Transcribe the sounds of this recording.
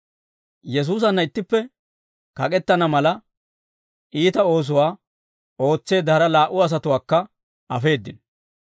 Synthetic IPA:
jɛs̬uːs̬ɐnːɐɪt̪ːɪpːɛ | kɐkʼɛt̪ːɐnɐmɐlɐ | ʔiːt̪ɐo̞ːs̬ʊwaː | o̞ːt͡sːe̞ːd̪ɐɾɐlaːʔʊɐs̬ɐt̪ʊwaːkːɐ | ʔɐfe̞ːd̪ːɪn

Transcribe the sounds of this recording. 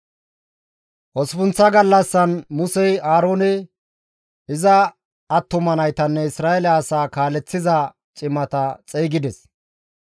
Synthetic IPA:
ʔɔspʊnt͡sːɐɡɐlːɐsːɐnmʊsɛjaːɾoːnɛ | ɪzɐː | t̪ːʊmɐnɐjt̪ɐnːɛɪsɾaːɛlɐːsaːkaːlɛt͡sːɪzɐ | t͡ʃʼɪmːɐt̪ɐt͡sʼɛːɡɪd̪ɛs

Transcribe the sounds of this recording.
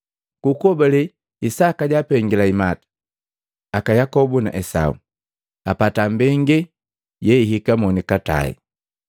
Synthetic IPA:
kukɔbɛlɛ | isakaɟapɛŋɡilaimatḁ | akajakɔbuna̰ʔɛsa̰ṵ | apatambɛŋɡɛ | jɛiɦikamɔnikata̰ḭ

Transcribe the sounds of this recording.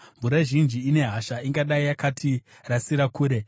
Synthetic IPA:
mvuɾaʒind͡ʒiːne̞ɦaʃaiŋɡaɗaijakatʰi | rasiɾakuːɾe̞

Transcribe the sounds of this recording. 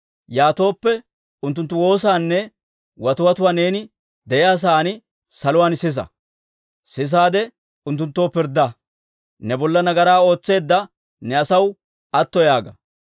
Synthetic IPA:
jaːt̪o̞ːpːɛ | ʊnt̪ːʊnt̪ːʊwo̞ːsaːnːɛ | wɐt̪ʊwɐt̪ʊwaːne̞ːnɪ | d̪ɛjaːs̬aːnɪ | sɐlʊwaːnsɪs̬ɐ̰ | sɪs̬aːd̪ɛ | ʊnt̪ːʊnt̪ːoːpɪɾd̪ːɐ | nɛbɔlːɐnɐɡɐɾaːo̞ːt͡sːe̞ːd̪ːɐ | nɛɐsɐw | ɐt̪ːɔjaːɡɐ

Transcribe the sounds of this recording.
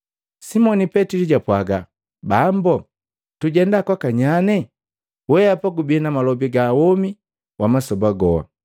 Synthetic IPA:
simɔnipɛtiliɟapwaɡa | bambɔ | tuɟɛndakwakaɲanɛ | wɛapaɡubiɛnamalɔbiɡawɔmi | wʔamasɔbaɡɔwa̰

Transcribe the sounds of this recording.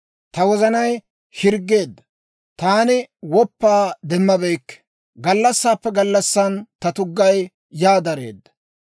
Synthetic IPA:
t̪ɐwɔzɐnɐj | hɪɾɡːe̞ːd̪ːɐ | t̪aːnɪwɔpːaːd̪ɛmːɐbɛjkːɛ̥ | ɡɐlːɐsːaːpːɛɡɐlːɐsːɐnt̪ɐt̪ʊɡːɐj | jaːd̪ɐɾe̞̰ːd̪ːɐ̥

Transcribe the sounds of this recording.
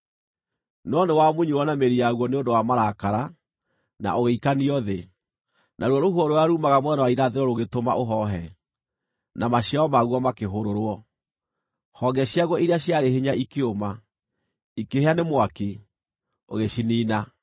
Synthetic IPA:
nɔnewamuɲuwɔnameɾijaɣwɔneondowamaɾakaɾa | na̰ʔoɣeikaniɔðe | nʔaɾwɔɾoɦwɔɾoaɾumaɣamwɛnawaiɾaðeɾɔɾoɣetomaʔoɦɔɦɛ | namaɕjaɔmaɣuɔmakeɦoɾoɾwɔ | hɔɡɛɕjaɣwɔʔiɾeaɕjaɾeɦeɲaikeoma | ikeheanemwaki | o̰ɣeɕiniːna

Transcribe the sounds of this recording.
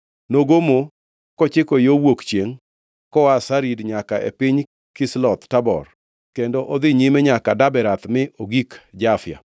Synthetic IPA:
noɡomo | kɔt͡ʃɪkojowokt͡ʃjeŋ | kɔwasaɾidɲakaʔḛpɪɲ | kɪslɔt̪tabɔ̰r | kendoʔɔd̪ɪɲimɛɲakadabɛɾat̪mɪʔoɡikd͡ʒafɪja̰

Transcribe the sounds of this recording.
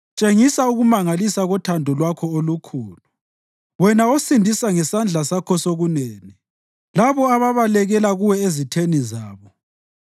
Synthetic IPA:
t͡ʃʼeŋisauɣumaŋalisaɣɔtʰandʱɔlwakʰɔolukʰuːlu | wɛnaosindʱisaŋɛsand͡ɮʱasakʰɔsoɣuneːni | laβɔaβaβalɛɣɛlaɣuwɛezitʰenizaːβɔ

